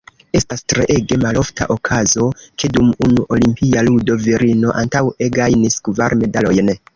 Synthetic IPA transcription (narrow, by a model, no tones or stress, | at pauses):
e̞stastɾeʔe̞ɡe̞malo̞fta̰ʔo̞kʰazo̞ke̞dumunuʔo̞limpialudo̞viɾino̞ʔantaweɡajniskvaɾme̞dalo̞jn